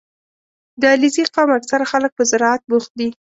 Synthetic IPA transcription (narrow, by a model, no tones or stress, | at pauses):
d̪əliziqɑwmaksaɾaxalək̚pəzɪɾɑat̪̚buxt̪̚d̪i